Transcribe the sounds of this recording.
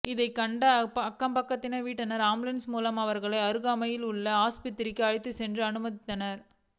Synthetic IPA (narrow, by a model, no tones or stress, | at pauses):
ɪðɐɪkɐɳɖɐpɐkːɐmpɐkːɐt̪ːɪnɐʋiːʈːɐnɐɾaːmlɪnsmuːlɐmɐʋɐɾɣɐɭɐɪɐɾɯɣaːmɐjɪlʊɭːɐaːspɪt̪ːɪɾɪkːɯɐɻɪt̪ːɯsɛndrɯɐnɯmɐðɪt̪ːɐnɐɾ